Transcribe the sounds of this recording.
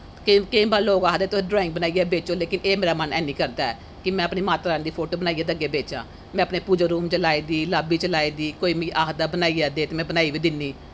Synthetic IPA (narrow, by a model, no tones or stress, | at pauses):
kːkeĩːbaːɾloːɡaːɦd̪eːt̪ʊẽːɖɾɔːɪ̃ŋɡ̚bənaːiɛːbeːt͡ʃõːleːkɪneːmeːɾaːmənɛ̰ːnĩːkəɾd̪aːɛ̰ː | kɪmɛ̃ːəpniːmaːt̪ɾaːnd̪iːpʰoːʈoːbənaːiːɛːd̪əɡeːbeːt͡ʃã̰ː | mɛ̃ːəpneːpud͡ʒaːɾuːmt͡ʃəlaːiːd̪iːlaːbiːt͡ʃəlaːiːd̪iːkoːiːmĩːʔaːkd̪aːbənaːiːaːd̪eːt̪eːmɛ̃ːbənaːiːʋiːd̪ɪnːiː